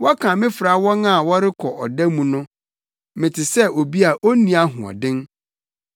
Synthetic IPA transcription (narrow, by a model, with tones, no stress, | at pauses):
wɔ˦kʰã˨mɪ̃˦fɾa˨˦wɔ̃˦nã˦˨wɔ˦ɾɪ˦kʰɔ˨ʔɔ˨dæ˦mũ˨nʊ̃˦ | mɪ̃˨tʰɪ˨sɛ˦o˨bi˦a˨ʔo˦nĩ˨a˦ɦʊ̰̃˨ɔ̰˨dɪ̃˦n